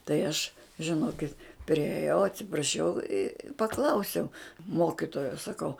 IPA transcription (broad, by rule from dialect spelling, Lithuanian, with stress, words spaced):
tɐɪ ˈɐʃ ʒʲɪˈnoːkʲɪt pʲrʲiɛˈjɛʊ ɐtʲsʲɪprɐˈʃʲɛʊ ɪ pɐˈklˠɐʊsʲɛʊ ˈmoːkʲɪtoːjoː sɐˈkɐʊ